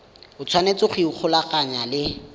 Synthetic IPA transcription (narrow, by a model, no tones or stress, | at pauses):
ʊt͡sʰwanet͡sʊχiʊk͡xʰʊlakʼaɲalɪ